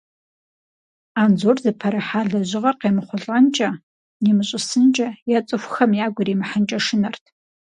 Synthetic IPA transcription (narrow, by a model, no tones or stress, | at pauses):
aːnzoːrzɨpʰɐɾɨħaːɮɐʑɪʁɐrqeːmɨχʷʊɮʼant͡ʃʼɐ | nimɨɕʼɪsɨnt͡ʃʼɐjat͡sʼɨxʷxɐmjaːɡʷʊɾiːmɨħənt͡ʃʼɐʂɨnɐrtʰ